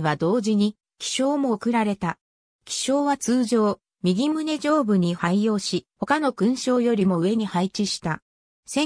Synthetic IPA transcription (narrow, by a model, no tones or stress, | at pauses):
βad̪o̞ːʑiɲ̟i | kʲi̥ɕo̞ːmo̞ːkɯ̟ɾaɾe̞t̪a | kʲi̥ɕo̞ːβat͡sɨːʑo̞ː | mʲiɡʲimɯ̟ne̞d͡ʑo̞ːbɯ̟ɲ̟ihaijo̞ːɕiho̞kano̞kɯ̟̃ɰ̃ɕo̞ːjo̞ɾʲimo̞ɯ̟e̞ɲ̟ihait͡ɕiɕi̥t̪a | sẽ̞